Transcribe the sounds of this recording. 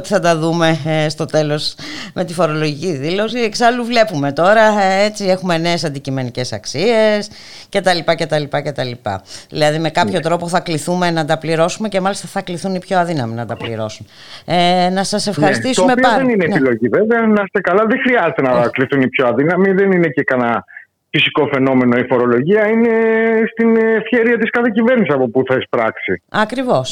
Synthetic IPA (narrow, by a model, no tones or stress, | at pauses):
t̪i̥θɐd̪ɐðume̞st̪o̞t̪e̞lo̞sme̞t̪ifo̞ɾo̞loʝiciðilo̞sieksɐluvle̞pume̞t̪o̞ɾɐet͡sie̞xume̞ne̞ːs̬ɐnd̪icime̞nice̞sɐ̰ksie̞s | ce̞t̪ɐlipɐce̞t̪ɐlipɐce̞t̪ɐlipɐ̰ðḭlɐðime̞kɐpço̞t̪ɾo̞po̞θɐkliθume̞nɐt̪ɐpliɾo̞sume̞ce̞mɐlist̪ɐθɐkliθunipço̞ɐðinɐminɐt̪ɐplḭɾo̞̰sun | nɐsɐse̞fxɐɾist̪istoumepoðeninepilo̞ʝive̞veɐnɐst̪ekɐlɐðexɾiɐzet̪e̞nɐkliθunipçoɐðinɐmiðe̞ninecekɐnɐ | fisiko̞fe̞no̞me̞noifo̞ɾo̞lo̞ʝiɐine̞st̪inefçe̞ɾiɐt̪iskɐθecive̞ɾnisiɐpo̞puθɐespɾɐksiɐkɾivo̞s